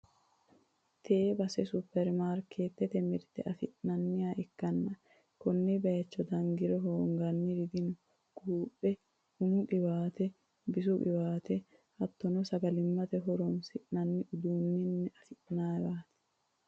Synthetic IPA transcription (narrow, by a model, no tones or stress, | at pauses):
t̪ʰeːbɐsɛsʊpːɛɾmaːɾkʰeːt̪ːɛt̪ɛmɪɾt̪ɛ̰ʔɐfɪʔnɐnːɪjaːʔɪkːɐnːɐ | kɔnːɪbɐjɐt͡ʃːɔd̪ɐŋɡɪɾɔɦoːŋɡɐnːɪɾɪd̪ɪnʊ | ɡ̥uːpːɛ | hʊnʊkɪbaːt̪ɛ | bɪsʊʔɪ̰waːt̪ɛ | hɐt̪ːɔnɔsɐɡɐlɪmːɐt̪ɛɦɔɾɔnsɪʔnɐnːɪʔʊd̪uːnːɪnːɛɐfɪʔnaːwaːt̪ɛ̥